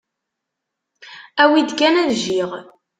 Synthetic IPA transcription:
æwid̪kænæðʒiʁ

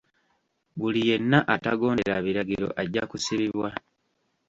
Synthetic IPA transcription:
βulije̞nːaʔataɡo̞ːneɾaβiɾaɟiɾo̞̰ʔaɟːakusiβiβwa

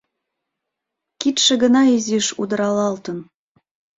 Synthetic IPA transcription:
kit̪ʃĕɣə̆nɑiziʃud̪əɾɑlɑlt̪ə̆n

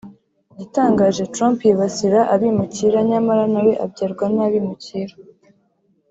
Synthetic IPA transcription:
jitaːŋɡaːʒe̞tɾampjiβasiɾaʔaβimuciːɾaɲamaɾanaweʔabɟaɾɡwanaβimuciːɾa

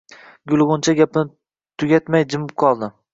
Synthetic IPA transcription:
ɡʲʊlˠʁʊnt͡ʃʰaɡʲapɪnɪ | t̪ʰʊɡʲat̪majd͡ʒɪmɪp̚qʰɒlˠd̪ɪ

